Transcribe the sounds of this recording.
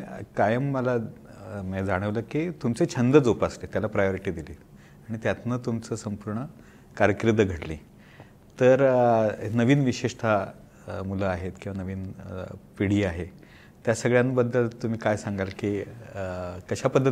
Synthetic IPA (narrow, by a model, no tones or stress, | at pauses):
kajəmːəlamɛd͡zaɽ̃əʋləːkit̪umt͡set͡ɕʰənd̪əd͡zopaslet̪jalapɾajoɾiʈiːd̪iliː | aɽ̃it̪jat̪nət̪umt͡səːsəmpuɾɳə | kaɾjəkɾid̪ːəɡʱəʈlḭː | t̪əɾ | nəʋiːnʋiɕeʂt̪ʰa | muləaɦet̪kĩw̃ʋanəʋiːnpiɽ̤iːaɦe | t̪jasəɡɭjanbəd̪ʱːəlt̪um̤iːkajsaŋɡalki | kəɕapəd̪ʱːət̪